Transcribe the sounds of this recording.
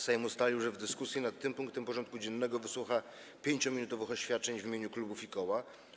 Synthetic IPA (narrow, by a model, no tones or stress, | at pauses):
sajɔmust̪alʲiwʐɛvd̪ɘskusʲjɛnat̪ːɘmpuŋkt̪ɛmpɔʐɔnt̪̚kud͡ʑɛnːɛɡɔvɘswuxa | pʲjeɲt͡ɕɔmʲinut̪ɔvɘxɔɕfʲjat̪̚t͡ʂɛɲvʲimʲeɲuklubufikɔwa